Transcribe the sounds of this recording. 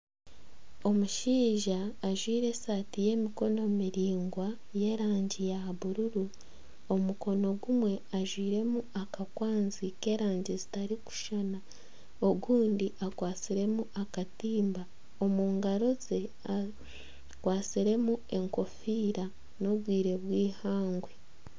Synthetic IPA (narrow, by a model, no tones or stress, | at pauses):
o̞muʃiːʒaːʒwiːɾe̞saːtije̞ːmiko̞no̞miɾiːŋɡwa | je̞ːɾaːɲɟijaβuɾuɾu | o̞muko̞no̞ɡumwe̞aʒwiːɾe̞muakakwaːnzike̞ːɾaːɲɟezitaɾiku̥ʃana | oɡuːndiʔakwaːt͡siɾe̞muakatiːmba | o̞muːŋɡaɾoze̞ | a | kwaːt͡siɾe̞mue̞ŋko̞fiːɾa | no̞βwiːɾe̞βwiːhaːŋɡwe̞